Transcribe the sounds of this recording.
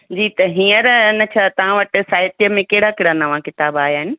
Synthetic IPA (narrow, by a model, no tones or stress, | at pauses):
d͡ʑiːt̪ɐɦĩːəɾnɐt͡ɕʰat̪ɐʋ̤ãʋɐʈɪ̆saːjt̪ijəmẽkɐɦɪɽakeɦɽanɐʋ̤ãkɪt̪aːbaːɦjaːɦɪnɪ̆